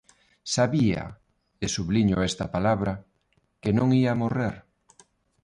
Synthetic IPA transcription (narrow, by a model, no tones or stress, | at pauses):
saβiɐ̰ | esuβliɲʊɛst̪ɐpalaβɾɐ | kenõŋiaːmoreɾ